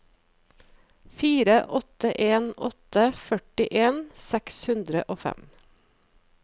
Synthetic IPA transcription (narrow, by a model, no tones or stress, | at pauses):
fiːɾəʔɔt̪əʔeːnɔ̰t̪əfœʈɪʔeːnsɛkshʉnd̪ɾə̰ʔoːfɛ̰m